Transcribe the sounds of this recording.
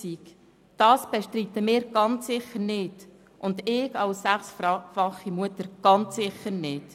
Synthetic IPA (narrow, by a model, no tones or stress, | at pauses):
ik | d̥ɑːsb̥eʃtɾitəmɪːɾɡ̥ɑnt͡sːɪχəɾnɪːd | ʔʊndɪːɡɑlsːæχsfɑχːimuətəɾɡ̥ɑnt͡sːɪχəɾnɪːd̥